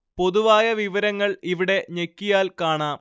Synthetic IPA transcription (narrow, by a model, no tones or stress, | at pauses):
po̞ðuʋaːjɐʋiʋɐɾɐŋːɐɭiʋiɽe̞ɲekːijaːlkaːɳaːm